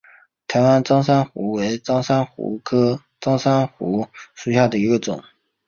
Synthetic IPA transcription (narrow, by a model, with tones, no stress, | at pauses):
t̪ʰa˧˥ɪwa˥nt͡sɑ˥ŋsa˥nxṵ˧˥we˧˥ɪt͡sɑ˥ŋsa˥nxṵ˧˥kʰɤ˥ | t͡sɑ˥ŋsa˥nxṵ˧˥ʂu˨˩ɕja˥˩d̪ə˩i˧˥ɡə˧t͡sʊ˨˩˦ŋ